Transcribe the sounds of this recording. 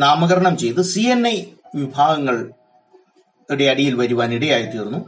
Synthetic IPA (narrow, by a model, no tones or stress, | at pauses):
naːmɐɣɐɾɐɳɐmt͡ɕe̞jt̪ɨsienːɐjʋibʱaːɡɐŋːɐɭ | iɽe̞ɐɽijilʋɐɾuʋaːniɽejaːjɐt̪ːiːɾunːu